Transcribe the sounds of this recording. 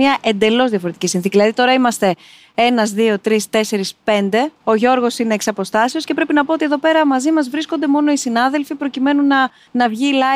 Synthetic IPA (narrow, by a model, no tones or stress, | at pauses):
ɐʔe̞nd̪e̞lo̞zðiɐfoɾet̪icʲisinθiciðilɐðit̪o̞ɾɐimɐst̪e̞ | e̞nɐzðio̞t̪ɾist̪e̞se̞ɾispe̞nd̪e̞o̞ʝo̞ɾɣo̞sineːksɐpo̞st̪ɐsio̞sce̞pɾepinɐpo̞ot̪ieðope̞ɾɐmɐzimɐzvɾisko̞nd̪e̞mo̞no̞isinɐðe̞lfipɾo̞cime̞nunɐ | nɐvʝilɐ